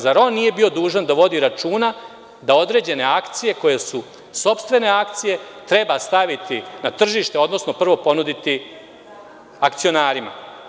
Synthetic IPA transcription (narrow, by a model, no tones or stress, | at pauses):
zaɾonːije̞bio̞d̪uːʒand̪aʋo̞d̪iɾat͡ʃuːna | d̪ao̞d̪ɾe̞ːd͡ʑe̞ne̞akt̪sije̞ko̞je̞su | so̞pst̪ʋe̞ne̞ak̚t̪sije̞ | t̪ɾe̞bast̪aʋit̪inat̪r̩ʒiːʃt̪eo̞d̪no̞sno̞pr̩ʋo̞po̞nud̪it̪i | akt̪sio̞naːɾima̰